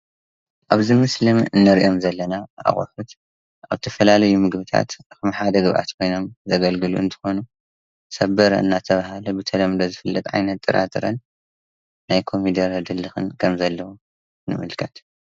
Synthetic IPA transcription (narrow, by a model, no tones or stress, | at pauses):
ʔaβzɨmɨslɨmɨnːɐɾʔo̞mzɐlːɐnaʔa̰xʼħut̪ | ʔa̰βzɨt̪ʰɐfɐlalɐjumɨɡbɨt̪ʰa̰t̪xɨmħad̪ɐɡɨβʔa̰t̪kʰo̞jno̞mzɐɡɐlɡɨlṵɨ̰nt̪ʰɨ̥xo̞nu | sɐbɐɾɐ̰ɨ̰nːat̪ʰɐβahalɐbɨt̪ʰɐlɐmd̪ɐzɨfɨlːɐt̪ʼʕa̰jnɐt̪ʼːɨɾa̰t̪ʼɨɾɐ̰nː | ajkʰomid̪ɐɾɐd̪ɨlːɨxɨ̰nkʰɐmzɐlːɐwo | nɨ̰mɨlkʰɐt̪